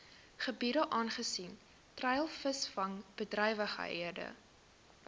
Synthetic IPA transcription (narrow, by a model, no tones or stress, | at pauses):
χəbiɾəʔɑːnχəsin | trɛjlˠfəsfɐŋb̥ədrɛjvəχə̰ɦḭədə̰